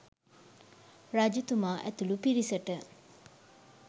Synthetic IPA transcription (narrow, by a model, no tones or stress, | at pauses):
rad͡ʒut̪umaːʔæ̰t̪ulupiɾisəʈə